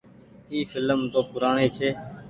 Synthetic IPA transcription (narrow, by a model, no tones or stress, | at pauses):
iːfɪləmt̪oːpʊɾaːɳeːt͡ʃʰeː